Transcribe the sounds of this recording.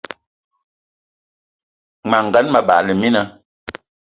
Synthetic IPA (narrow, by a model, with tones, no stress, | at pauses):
ma˨ŋ̩˨ɡa˨˦nma˨ɓa̰˨ʔlə˨mi˦na˨˦